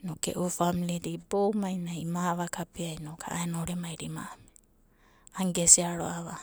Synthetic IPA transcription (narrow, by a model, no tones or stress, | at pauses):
nokḛʔufamiliɾibowmajnaimaβakapiajnokʰa̰aenooɾemajɾima̰ːme | aŋɡesiaɾo̰aβa